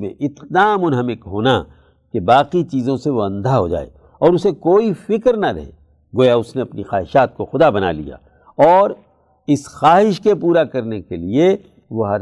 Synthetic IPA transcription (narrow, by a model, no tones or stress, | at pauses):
mḛ̃ʔɪt̪d̪aːmʊnɦɐmɪkɦoːna | kebaːqit͡ʃiːzõseʋoɐ̃nd̪ʱaɦod͡ʒa̰ːḛː | ɔːɾʊsekoːifɪkɾnaɾɐ̰ɦḛː | ɡoːjaʊsneɐpnixaːɦɪʃaːt̪̚koxʊd̪abɐna̰lḭja̰ː | ɔːɾ | ɪsxaːɦɪʃkepuːɾakɐɾnekelie | ʋoɦɐɾ